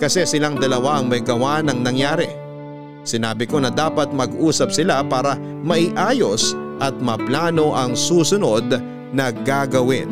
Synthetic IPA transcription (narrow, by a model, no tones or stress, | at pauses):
kɐsɛsɪlaŋd̪ɐlɐwaɐŋmɐjɡɐwanɐŋnɐŋjaːɾɛ | sɪnaːbɪko̞nɐd̪aːpɐt̪̚mɐɡʔuːsɐp̚sɪlapaːɾɐ | mɐʔɪʔaːjo̞sʔɐt̪̚mɐplaːno̞ʔɐŋsuːsʊno̞d̪̚ | nɐɡaɡɐwɪn